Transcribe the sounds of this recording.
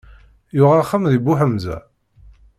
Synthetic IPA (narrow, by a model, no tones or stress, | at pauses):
jʊʁaχːamðibʊħəmzæ̰